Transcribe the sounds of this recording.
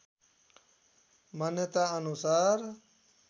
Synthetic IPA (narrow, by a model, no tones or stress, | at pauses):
manjət̪aənusaːɾ